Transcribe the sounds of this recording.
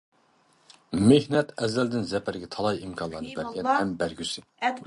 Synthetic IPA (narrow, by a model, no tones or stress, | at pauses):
mehnɛt̪ɛzːæld̪ɪnzɛpʰæɾɡʲɛt̪ʰɑlˠɑjimkʰɑnlˠɑɾnɨbæɾɡʲɛnhɛmbæɾɡʲysɪ